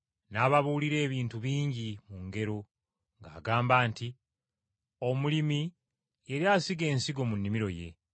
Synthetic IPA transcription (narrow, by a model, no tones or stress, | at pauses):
naːβaβuːliɾe̞ːβiːntuβiːɲɟimuŋɡe̞ɾo | ŋɡa̰ːɡaːmbaːnti | o̞mulimi | eɾjasiɡe̞ːnsiɡo̞munːimiɾo̞je̞̰